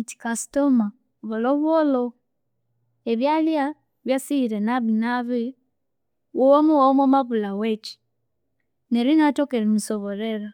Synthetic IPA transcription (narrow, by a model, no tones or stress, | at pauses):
iti̥kasi̥toma | βoloβwolo | eβjalja | βjasiiɾenaβinaβi | wowomuwamomaβulawet͡ʃi̥ | nelinatokeɾemisoβoɾeɾa